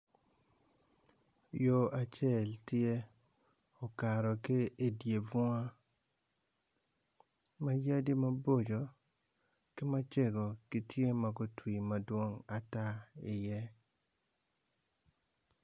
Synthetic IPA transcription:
jo˦a˦t͡ʃe˦˨ltje˦ | ɔ˨ka˨ɾɔ˨kɪ˦e˦dje˨vɔ˦a˦ | ma˦ja˦di˦mɐ˦bo˦d͡ʒo˨ | kɪ˦ma˦t͡ʃe˦ɡo˨ki˨tje˦ma˨ɡo˦twi˨mɐ˨dwo˦ŋa˨ta˦ɪ˨jɛ˦

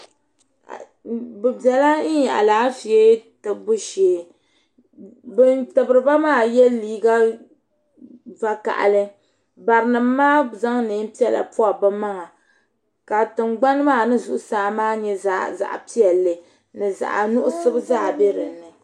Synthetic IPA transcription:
bɨ˨bɛ˨la˦n̩˦ɲa̰˨ʔa̰˨laː˨˦fi˨e˦tɨ˨bu˦ʃeː˨ | bɨ˦ntɨ˨bɨ˨ɾɨ˨ba˦maː˦˨jɛ˦liː˦ɡa˦ | va˦ka̰˨ʔa̰˨lɨ˦ | ba˨ɾɨ˨nɨ˨mː˦aː˦za˦ŋnɨ˨˦m˦pi˦ɛ˨la̰˨pu˦a˨bɨ˦ma˦ŋa˨ | ka˨tɨ˨ŋɡ͡ba˦nɨ˦maː˦˨nɨ˦zu˨ʔʊ˦saː˨˦maː˦ɲɛ˦zza̰˨ʔpi˦ɛ˨lːɨ˨ | nɨ˨za̰˨ʔa̰˨nu˦ʔʊ˦sɨ˦bɨ˦zaː˦˨be˦ɾɨ˨˦nːɨ˨

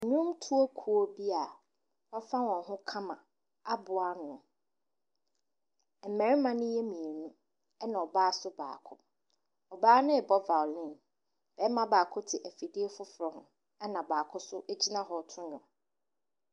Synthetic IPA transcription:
ɲũ˦mtʰu˦o˦kʰu˦o˦bi˦a˨ | ɔ˦fã˦wɔ̃˨nɦʊ̃˦kʰã˦mã˨ | a˦bʊ˨a˦nʊ̃˨ | ɛ˨mɛ̃˨ɾɪ˦mã˦nʊ̃˦jɛ˦mĩ˨e˨nũ˦ | ɛ˦nã˨ɔ˨baː˦sʊ˦ba̰ː˨kʰʊ̰˦ | ɔ˨baː˦nʊ̃˦˨bɔ˦va˨lɪ̃˦˨n | b̥ɛ˨˦mã˦baː˨kʰʊ˦tʰɪ˨ʔæ˨fi˨di˦e˦fʊ˦fɾɛ˨hʊ̃˦ | ɛ˦nã˨baː˨kʰʊ˦sʊ˦ʔe˦d͡ʑi˦nã˦ɦɔ˨tʰʊ̃˦ɲʊ̃˨

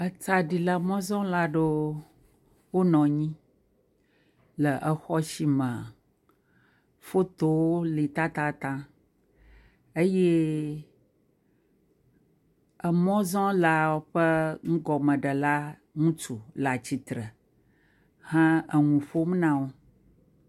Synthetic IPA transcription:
ə˦t͡sa˨ɖi˨la˨mɔ̃˦zɔ̃˦la˦ɖo˦ | wo˦nɔ̃˨ɲĩ˦ | lə˨ʔə˨xɔ˦si˦mə̃˨ | fo˦t̪o˦wo˦li˨t̪ã˦t̪a˦t̪ã˦ | ə˦je˦ | ə˨mɔ̃˦zɔ̃˦la˨wo˦ɸə˦ŋ̩̃˦ɡɔ˨mə̃˨ɖə˨la˦ | ŋũ˦t͡ʃu˨la˨t͡ɕi˨t̪ɾə˨ | hã˦ə˨ŋũ˨fo˦m˦nã˦wo˦

